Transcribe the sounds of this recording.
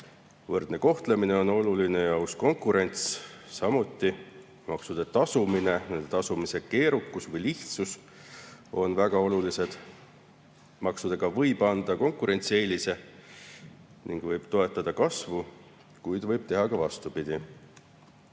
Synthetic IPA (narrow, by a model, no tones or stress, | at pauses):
vɤrd̪̥ne̞ko̞ht̪lemine̞o̞no̞luline̞jɑusko̞ŋkˑuɾe̞nʲt̪sːɑmut̪ˑːi | mɑksud̪̥e̞t̪ɑsumine̞ne̞nd̪et̪ɑsumise̞ke̞ːɾukːˑusvɤjliht̪sus | o̞nvæɡ̥ɑo̞lulise̞d̪̥ | mɑksud̪̥e̞ɡ̥ɑvɤjb̥ɑnd̪̥ɑko̞ŋkˑuɾe̞nʲt̪sie̞ːlise̞ | niŋɡ̥vɤjb̥t̪o̞e̞t̪ˑːɑd̪̥ɑkɑsvu | kujd̪̥vɤjb̥t̪e̞ɦɑkɑvɑst̪upid̪̥i